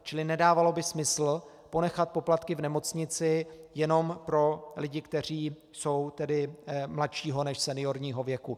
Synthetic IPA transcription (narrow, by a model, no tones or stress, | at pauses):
t͡ʃɪlɪnɛdaːvalo̞bɪsmɪsl̩ | po̞nɛxat̪̚po̞plat̪kɪvnɛmo̞t͡sɲɪt͡sɪjɛno̞mpɾo̞lɪɟɪkt̪ɛr̝iː | so̞wt̪ɛdɪmlat̪ʃiːɦo̞nɛʃsɛnɪjo̞ɾɲiːɦo̞vjɛku